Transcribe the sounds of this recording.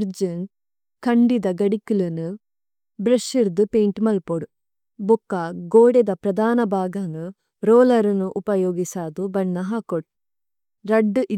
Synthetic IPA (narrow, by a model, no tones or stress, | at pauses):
ɾd͡ʒɐn | kɐɳɖid̪ɐɡɐɽikulɐnu | bɾɐʃiɾd̪upeːɳʈmɐlpoɽu | bukːaːɡoːɽɛd̪ɐpɾɐd̪aːnɐbʱaːɡɐnu | ɾoːlɐɾɐnuʔupɐjoːɡisaːd̪ubɐɳːɐɦɐkoʈ̚ | ɾɐɖːʔi